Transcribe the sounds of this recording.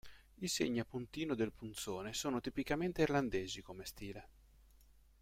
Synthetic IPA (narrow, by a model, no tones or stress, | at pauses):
isḛɲːapunt̪iːnod̪elpunt̪soːnesoːnot̪ipikament̪eirland̪eːzikomest̪iːle